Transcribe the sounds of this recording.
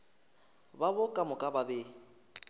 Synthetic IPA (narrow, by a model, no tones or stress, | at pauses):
babʊkʼamʊkʼababe